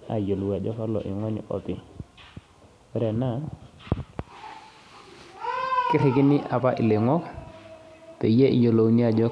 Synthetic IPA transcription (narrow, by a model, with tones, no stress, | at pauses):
a̰˨jo˨lu˨wa˨d͡ʒɔ˦ka˦lɔ̰˨ʔi˨ŋɔ˦nḭ˦ʔɔ̰˨pi˨ | ɾɛ˨na˦˨ | kɪ˦ɾɪ˨kɪ˦nɪ˦ʔa˨pa˦ʔɪ˨lɪ˨ŋɔ˦k | te˨je˦ʔḭ˨jo˨lo˨˦ni˦a˨d͡ʒɔ˦